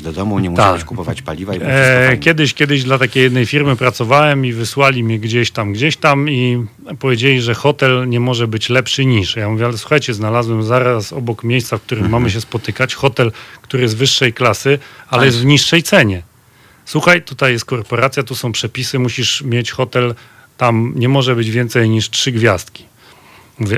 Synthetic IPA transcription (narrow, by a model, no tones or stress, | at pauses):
d̪ɔd̪ɔmuɲɛmut̪aikupɔva̰t͡ɕpa̰lʲivaikʲɛd̪ɘɕkʲjɛd̪ɘʑd̪lat̪akʲejɛd̪nɛjfʲiɾmɘpɾat̪sɔvawɛmivɘswalʲimʲɛɡd͡ʑeɕt̪amɡd͡ʑeɕt̪ami | pɔvʲjed͡ʑelʲiʐɛxɔt̪ɛlɲɛmɔʐɛbɘt͡ɕlɛpʂɘɲiʂjamuvʲɛalɛswu̥xajt͡ɕɛznalazwɛmzaɾasɔ̰bɔkmʲjejst̪safk̚t̪uɾɘmmːamɘɕ̬ɛspɔt̪ɘkat͡ɕxɔt̪ɛlkt̪uɾɘjɛzvɘʂːɛjklasɘalɛjɛst̪vɲiʂːɛjt̪sɛɲɛ | swuxajt̪ut̪ajɛst̪̚kɔɾpɔɾat̪sjat̪usɔ̃w̃pʂɛpʲisɘmuɕiʂmʲjet͡ɕxɔt̪ɛl | t̪amɲɛmɔʐɛbɘd͡ʑvʲjɛnt̪sɛjɲiʂtʂɘɡvʲjast̪kʲi̥ | muvʲɛ